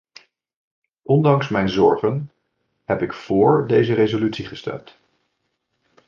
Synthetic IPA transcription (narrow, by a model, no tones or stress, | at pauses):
ʔɔndɑŋsmɛjnzɔɹχən | ɦɛpɪkfʊːɹdejzəɾejzolytsiχəstɛ̰mt